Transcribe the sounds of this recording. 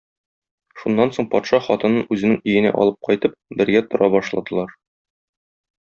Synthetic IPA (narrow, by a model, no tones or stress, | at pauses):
ʃunːɑnsoɴpɒt̪ʃɑχɒt̪ɤ̆nɤnʉzɘ̆nɘŋijɘ̆næ̰ʔɒ̰lˠɤp̚qɒjt̪ɤp̚bɘ̆ɾɡæt̪ŏɾʔɑbɒʃlˠɑ̰d̪ɤ̆lˠɑɾ